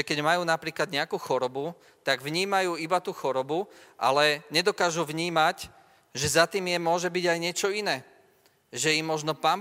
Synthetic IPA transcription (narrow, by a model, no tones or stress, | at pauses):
ɛkɛɟmajuːnapɾiːklad̪ɲɛakuːxɔɾɔbu | t̪aɡʋɲiːmajuːibat̪uxɔɾɔbuʔa̰lɛɲɛd̪ɔkaːʒuʋɲiːmac | ʒɛzat̪iːmjɛmʊɔʒɛbiɟajɲɪɛt͡ʃɔinɛː | ʒɛjimmɔʒnɔpaːm